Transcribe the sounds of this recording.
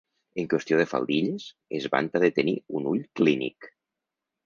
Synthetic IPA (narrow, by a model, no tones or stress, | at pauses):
əŋkwest̪ioðefa̰lˠd̪iʎes | ezβa̰nt̪aðet̪enḭunuʎklinḭk